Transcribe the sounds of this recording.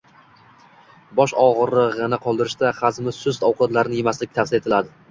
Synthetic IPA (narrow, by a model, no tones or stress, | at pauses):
bɒʃɒʁɨɾːɪʁanaqʰɒlˠd̪ɪɾɪʃt̪aχazmɪsʊst̪ɒwqʰɒt̪laɾɪnɪjemaslɪk̚ʲt̪ʰafsɪɾe̞t̪ʰɪlad̪ɪ